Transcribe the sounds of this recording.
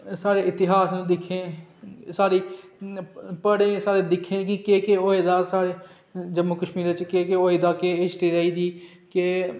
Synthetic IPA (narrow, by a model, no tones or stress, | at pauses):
saːɾeːɪt̪ɪɦaːsnũːd̪ɪkʰːẽːsaːɾiː | pəɽẽːsaːɽeːd̪ɪkʰːẽːkɪkeːkeoːeːd̪aːsaːɽeː | d͡ʒəmːukəʃmiːɾt͡ʃkeːkeoːeːd̪aːkeːɪsʈ̪iːɾəiːd̪iː | keː